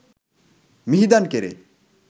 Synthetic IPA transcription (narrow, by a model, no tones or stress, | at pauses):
miɦid̪ankeɾḛ